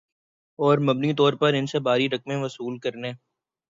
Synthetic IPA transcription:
ɔːɾmɐbnit̪ɔːɾpɐɾɪnsebaːɾiɾɐk̚mẽʋɐsuːlkɐɾneː

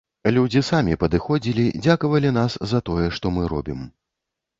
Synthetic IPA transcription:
lʲud͡zʲisamʲipɐd̪ɨxɔd͡zʲilʲid͡zʲakɐvɐlʲin̪aszɐt̪ɔjɛʂt̪ɔmɨɾɔ̰bʲim

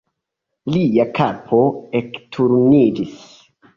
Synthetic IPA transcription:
liakʰapʰo̞e̞ktʰuɾnid͡ʒis

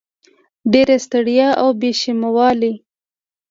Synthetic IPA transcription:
ɖeɾest̪aɽjaʔawbeʃimawɑli

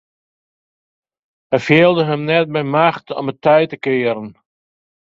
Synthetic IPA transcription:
ɛfeəlˠdəɦəmnɛt̚bɛjmaxtʰɔ̰mətʰœjtəkɪːəɾən

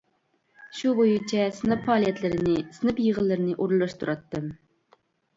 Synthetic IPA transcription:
ʃubojut͡ʃʰɛsɨnɨppɑːlˠijɛt̪lɪɾɪnɪsɨnɨpjəʁəlˠːɨɾɪnɪʔuɾlˠːɑʃt̪ʰuɾɑt̪ːɨm

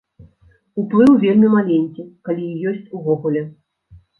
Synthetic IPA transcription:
uplˠɨwvʲelʲmʲimalʲenʲkʲikalʲijjɔsʲt͡sʲuvɔɣulʲɛ

